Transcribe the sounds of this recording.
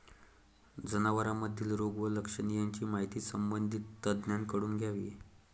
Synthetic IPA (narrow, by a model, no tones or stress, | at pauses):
d͡zənaʋəɾaməd̪ʱiːlɾoɡʋələkʂənijaɲt͡ɕiːmaɦit̪iːsəmbənd̪ʱit̪ːəd̪njankəɽuːnɡʱjaʋḭ